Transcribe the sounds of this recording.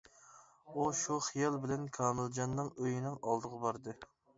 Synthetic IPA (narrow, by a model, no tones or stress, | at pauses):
uʃuχijɑlˠbɪlɛnkʰɑːmɪld͡ʒɑnːɨŋøjinɪŋɑlˠd̪əʁɑbɑɾd̪ɨ